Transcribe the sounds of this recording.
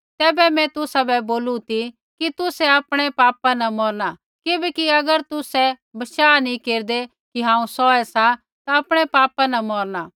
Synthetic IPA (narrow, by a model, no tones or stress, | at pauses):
t̪ɛːbɛmɛ̃t̪ʊsabɛboːlut̪i | kit̪ʊsɛɐpɽ̃epaːpanɐ̃mɔːɾna | kɪbɛkiɐɡəɾt̪ʊsɛ | bɐʃaːnĩkeːɾd̪e | kiɦãːũsɔːɛsã | t̪aɐpɽ̃epaːpãnɐmɔːɾnaː